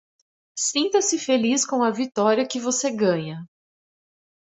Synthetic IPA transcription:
sĩnt̪ɐsɪfeliskõw̃ɐvit̪ɔɾiɐkɪvoseɡɐ̃ɲɐ

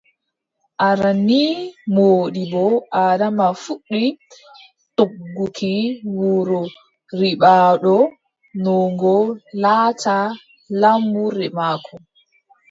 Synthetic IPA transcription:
ʔaɾanːimoːɗibɔʔaːdamafuɗːi | toɡːukʰiwuɾɔ | ɾiɓaːɗɔ | nɔŋɡɔlata | lambuɾɛmaːkʰɔ

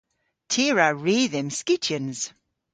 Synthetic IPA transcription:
tʰiːɹaɹiːðɪmskɪt͡ʃənz̥

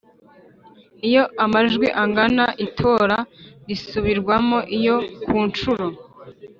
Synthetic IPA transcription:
ijo̞amaʒɡwiʔaŋɡanaʔitʰo̞ːɾaɾisuβiɾɡwamoʔijo̞kuːnt͡ʃuɾo

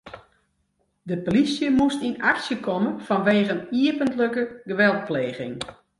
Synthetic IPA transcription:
dəpolisjəmustinaksjəkʰɔmənfɔnʋeːɣəniəpəntləkəɡəʋɛlˠt̚pleːɣɪ̰ŋ

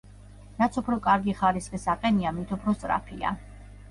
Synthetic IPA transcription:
ɾat̪sʰupʰɾɔkʼaɾɡiχaɾisχisaqʼɛniamit̪ʰupʰɾɔst̪ʼɾa̰pʰia̰

